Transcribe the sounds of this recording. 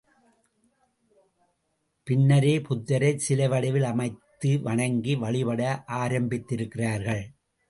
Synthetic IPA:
pɪnːɐɾeːpʊt̪ːɐɾɐɪsɪlɐʋɐɽɪʋɪlɐmɐɪt̪ːɯʋɐɳɐŋɡiʋɐɭɪpɐɽɐʔaːɾɐmbɪt̪ːɪɾɯkːɪraːɾɣɐɭ

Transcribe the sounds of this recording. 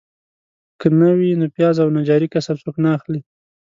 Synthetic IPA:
kənawinopjɑzawnad͡ʒɑɾikasabsuknaːxli

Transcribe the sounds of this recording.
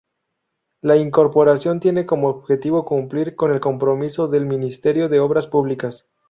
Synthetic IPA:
laiŋko̞ɾpo̞ɾasjo̞nt̪je̞neko̞moːβxe̞t̪iβo̞kumpliɾko̞ne̞lko̞mpɾo̞miso̞ðe̞lmĩnist̪e̞ɾjo̞ðe̞oβɾaspuβlikas

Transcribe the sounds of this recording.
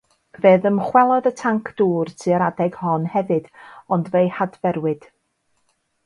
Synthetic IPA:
veːðəmχwɛlˠɔðətʰaŋkʰd̥uːrtʰɨəɾadɛɡ̥hɔnhɛvɨd̥ɔndvejhadvɛɾwɨd̥

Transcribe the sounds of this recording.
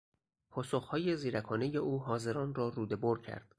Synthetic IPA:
pʰɒːsoχhɒːje̞ziːɾækʰɒːne̞je̞ʔuːɦɒːze̞ɾɒːnrɒːruːd̪e̞boɾcʰæ̰ɾd̪̥

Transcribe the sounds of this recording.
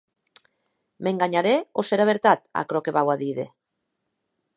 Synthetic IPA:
meŋɡaɲaɾeoseɾaβeɾt̪at̪a̰kɾokeβawaðiðe

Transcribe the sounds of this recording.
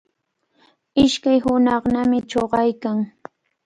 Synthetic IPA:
ɪʃkajɦʊnɑχnamɪt͡ʃoɢɑjkaŋ

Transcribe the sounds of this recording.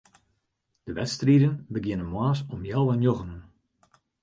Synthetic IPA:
d̥əʋɛtstridənbəɡjɪnənmwaːsɔmjɛlˠʋɛnjoɣənən

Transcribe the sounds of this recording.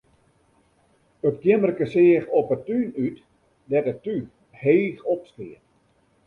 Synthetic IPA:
ətɡjɪmərkəsɪəxɔpətynyt | dɛtətːy | heːxɔpskɪət

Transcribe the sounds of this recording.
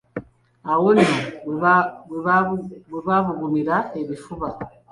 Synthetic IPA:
awonia | wiβaβuɡumiɾaeβifuβa

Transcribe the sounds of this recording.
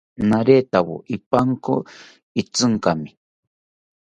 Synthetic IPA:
naɾet̪awo̰ʔipaŋko̰ | it͡sɨŋkami

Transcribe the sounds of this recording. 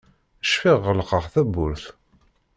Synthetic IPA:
əʃfiʁːəlqəʁθæbːʊɾθ

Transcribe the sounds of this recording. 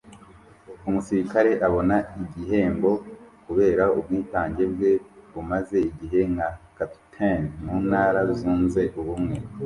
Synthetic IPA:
umusiɾikaɾe̞ʔaβo̞naiɟiɦe̞ːmbo̞kuβe̞ːɾaub̚ɡiːtaːɲɟe̞bɡwe̞βumaze̞iɟiɦe̞ŋakattʰanmuːnaːɾauzuːnze̞ʔuβumŋe̞

